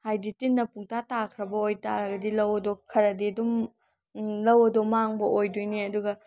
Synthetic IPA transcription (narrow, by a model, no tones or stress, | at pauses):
hajditinːɐpuŋtʰatakʰɾɐbɐojta̰ɾɐɡɐdilɐwɐdokʰɐɾɐdiɐdum | lɐwɐdɔmaŋbɐʔojdojniɐduɡɐ